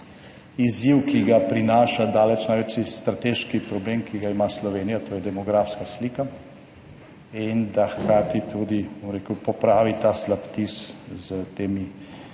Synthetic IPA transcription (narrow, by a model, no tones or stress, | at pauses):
iziwkiɡapɾinaːʃad̪aːlɛt͡ʃnajʋɛt͡ʃist̪ɾat̪eʃkipɾɔbleːmkiɡaimaslɔʋeːnijat̪oːjɛd̪ɛmɔɡɾafskasliːka | ind̪axkɾaːt̪it̪ʰud̪ibomɾeːkəwpɔpɾaːʋit̪aːslapt̪iszət̪eːmi